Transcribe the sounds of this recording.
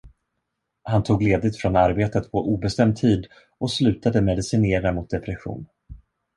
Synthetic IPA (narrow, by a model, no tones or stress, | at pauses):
hant̪ʰuːɡleːd̪ɪɡ̚t̪fɾɔnaɾbeːt̪ət̪pʰɔʔuːbɛst̪ɛmd̪̚t̪ʰiːd̪ | ɔslʉ̟ːt̪ad̪əmɛd̪ɪsɪneːɾamʊt̪̚d̪ɛpɾɛɧṵːn